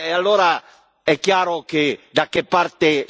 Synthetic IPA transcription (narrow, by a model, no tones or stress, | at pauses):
ealːoːɾa | ɛkːjaːɾoked̪akːepːart̪e